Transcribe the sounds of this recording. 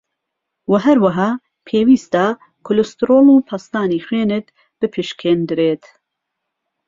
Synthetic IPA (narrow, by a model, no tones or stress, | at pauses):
wɐɦɐɾwɐɦɑː | pʰeːwiːst̪a | kʰʊlust̪ɨɾoːlˠupʰɐst̪aːniːxweːnɨt̪ | b̥ɨpʰɨʃkʰeːnd̪ɨɾeːt̪